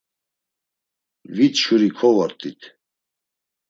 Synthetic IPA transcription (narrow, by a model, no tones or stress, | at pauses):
vit͡sʃuɾikʰɔvaɾt̪ʼit̪ʰ